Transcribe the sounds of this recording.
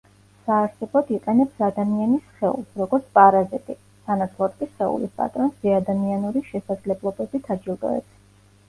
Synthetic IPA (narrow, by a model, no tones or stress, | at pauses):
saːɾsɛbɔd̪iqʼɛnɛpsad̪amianisχɛṵlˠsɾɔɡɔɾt̪sʰpʼaɾazit̪ʼi | sanat̪sʰlˠɔt̪̚kʼisχɛṵlispʼa̰t̪ʼɾɔnsdɛad̪amianuɾiʃɛsad̪zlɛblˠɔbɛbit̪ʰad͡ʒilˠd̪ɔ̰ɛ̰ps